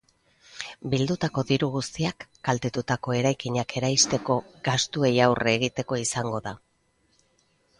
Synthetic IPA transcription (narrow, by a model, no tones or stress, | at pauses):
bild̪ut̪ako̞ðiɾuɣ̞ust̪iakːalt̪e̞t̪ut̪ako̞e̞ɾajkiɲakʰe̞ɾajst̪e̞ko̞ɡast̪ue̞jawreɣit̪e̞ko̞isaŋɡo̞ða